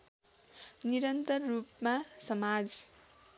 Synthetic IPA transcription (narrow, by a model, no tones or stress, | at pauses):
niɾʌnt̪ʌrːupmasʌmad͡z